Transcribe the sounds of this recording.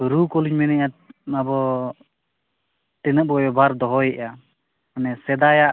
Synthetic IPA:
ɾukɔliɲmɛnɛʔaabɔ | ʈɛnəʔ̚bɔjɔbʱaɾd̪ɔɦɔjɛʔa | anɛsɛd̪ajaʔ

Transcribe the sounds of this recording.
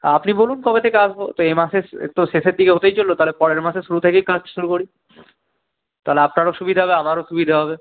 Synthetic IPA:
apnibolunkɔbet̪ʰekeaʃbot̪oemaʃeḛt̪oʃeʃeɾd̪ikeɦot̪ejt͡ɕolːot̪aɦlepɔɾeɾmaʃeʃuɾut̪ʰekejkasʈʃuɾukoɾi | t̪aleapnaɾoʃubid̪ʱaɦɔbeamaɾoʃubid̪ʱaɦɔbe

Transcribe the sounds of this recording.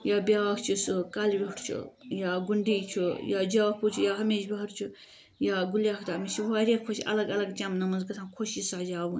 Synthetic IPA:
jaːbʲjaːkt͡ʃʰusɨkaːlʋiʈʰt͡ʃʰṵjaɡuɳɖiːt͡ʃʰujaːd͡ʒaːkput͡ʃʰujaːɦɐmeːʃbɐɦɐɾt͡ʃʰu | jaːɡuljaːkʰt̪aːmit͡ʃʰiʋaːɾʲekʰoʃʔɐ̰lɐɡɐlɐɡt͡ʃamnɐmɐnzɡɐt̪ʰãːnkʰoʃisaːd͡ʒaːbunʲ

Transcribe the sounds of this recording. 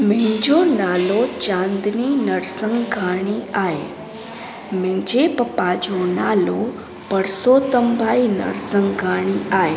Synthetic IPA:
mɪ̃d͡ʒonalot͡ʃãnd̪ninəɾsəŋɡɡʱaɽ̃iae | mẽd͡ʒepəpad͡ʒonalo | pəɾsot̪əmbʱainə̰ɾsəŋɡɡʱaɽ̃iaje

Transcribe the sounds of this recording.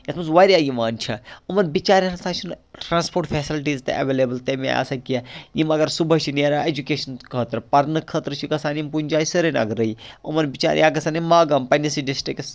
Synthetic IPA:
jɐsmɐsʋaɾiaːjimaːnt͡ʃʰɐumɐnbit͡ʃaːɾasaːt͡ʃʰunʈɾaːnspoːʈpʰeːsilʈ̬iːzt̪ḛʔɐ̰ʋeːleːbəlt̪emea̰ːsɐkːiajimɐɡɐɾsubəɦt͡ʃʰineɾaed͡ʒukeːʃɐnkʰət̪ɾpɐɾnɨkʰət̪ɾɨt͡ʃʰikɐsaːnimpunʲd͡ʒaːisəɾenɐ̰ɡɾɐiumɐnbit͡ʃa̰ːɾʲjaɡɐsaːnimaːɡɐmpɐnisiɖisʈɾiks

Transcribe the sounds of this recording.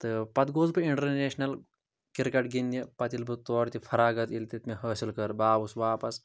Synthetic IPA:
t̪ɨpɐt̪ɡoːzbɨiɳʈɐɾneːʃnɐl | kiɾkɐʈɡind̪ʲɐpɐt̪ilbɨt̪oːɾʲt̪ifʰɐɾaːɡɐt̪ilt̪ʲit̪meɦɐːsilkɐɾbaːbusʋaːpɐs

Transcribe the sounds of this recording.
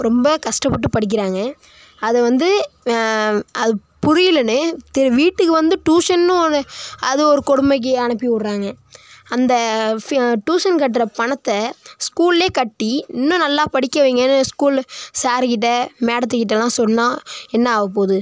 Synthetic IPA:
ɾɔmbɐkɐʂʈɐpːɐʈːɯpɐɽɪk̬ːɪɾaːŋɡɐ | ɐðɯʋɐnd̪ɯ | ɐðɯpʊɾɪjɪlɐnːɯt̪ɛɾʋiːʈːɯkːɯʋɐnd̪ɯʈuːʂɐnːɯ̃ɾɐðɯɔɾɯkɔɽʊmbɐk̬ːɯɐɳɐpːiʊɽɾaːŋɡɐ | ɐnd̪ɐ | ʈuːʂɐnk̬ɐʈ̬ːɾɐpɐɳɐt̪ːɐskuːlleːkɐʈːiɪnːʊ̃nɐlːaːpɐɽɪkʲːɐʋiːŋɡɐnːɯskuːlsaːɾkɪʈ̬ːɐmeːɽɐt̪̬ːɯkɪʈ̬ːɐlãːsɔlnãːɛnːɐːʋɐpoːðɯ

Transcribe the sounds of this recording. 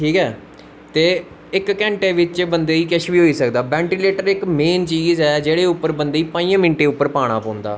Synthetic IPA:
ʈʰiːkɛː | t̪eː | ɪkːɛ̃ːɳʈeːʋɪt͡ʃbənd̪eːiːkɛʃʋiːɦoːiːsəkd̪aːbɛ̃ːɳʈiːleːʈəɾɪkmeːnt͡ʃiːzɛːd͡ʒeːɽeːʊpːəɾbənd̪eːiːpãːĩːə̃ːmɪɳʈeːʊpːəɾpaːɽ̃aːpɔ̃ːnd̪a̰ː

